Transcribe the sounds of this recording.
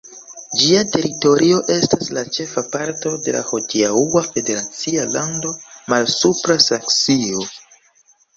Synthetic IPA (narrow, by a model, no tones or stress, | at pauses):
d͡ʒiate̞ɾito̞ɾʔio̞ʔe̞staslat͡ʃe̞fapaɾto̞de̞̰la̰ho̞tiauafe̞de̞ɾat͡sialando̞malsupɾasaksio̞